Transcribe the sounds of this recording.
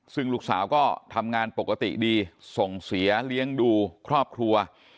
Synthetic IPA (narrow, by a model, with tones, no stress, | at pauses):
sɯ˥˩ŋluː˥˩k̚sa̰ː˩˦wkɔː˥˩t̪ʰa˧mŋaː˧npo˨˩kːa˧t̪ḭ˨˩diː˧so˨˩ŋsi˩˦ɐli˦˥əŋduː˧kʰɾɔː˥˩p̚kʰɾu˧ɐ